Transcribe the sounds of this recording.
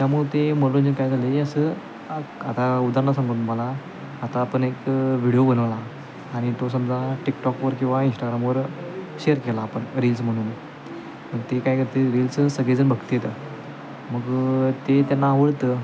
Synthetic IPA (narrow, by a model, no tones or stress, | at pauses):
t̪jamuɭet̪em̤əɽlund͡ʑəkajd͡zʱaleəsə | at̪aud̪aɾnasãŋɡuːnməlaː | t̪aːpəɳekʋiɽijobənəʋlaː | ɽ̃it̪os̬əmd͡zaʈikʈɔkʋəɾkĩw̃ʋainsʈaɡɾamʋəɾɕeəɾkelaːpəɳɾils̬m̤əɽ̃uːn | məɡ̚t̪ekajkəɾt̪eɾilssəɡled͡zənbʱəɡt̪jet̪ə | məɡt̪et̪janːaʋəɽt̪ə